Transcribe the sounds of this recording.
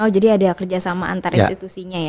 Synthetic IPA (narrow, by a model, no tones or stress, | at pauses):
ɔhd͡ʒadiadakərd͡ʒasamaa̰nt̪aɾinst̪it̪usiɲaja